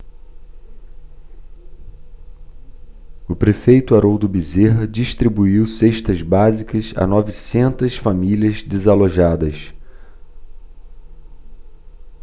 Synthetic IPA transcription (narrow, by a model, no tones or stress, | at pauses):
ʊpɾefejt̪ʊaɾowd̪ʊbizeɦɐd͡ʒiʃt̪ɾibuiwseʃt̪ɐzbazikɐsa̰nɔvisẽnt̪ɐsfamilʲɐzd̪ezaloʒad̪ɐs